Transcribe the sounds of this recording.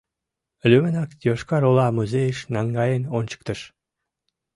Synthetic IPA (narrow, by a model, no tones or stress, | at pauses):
lʲymənɑkjoʃkɑɾolˠɑmuzejəʃnɑŋɡɑjenont͡ɕə̥k̚t̪ə̆ʃ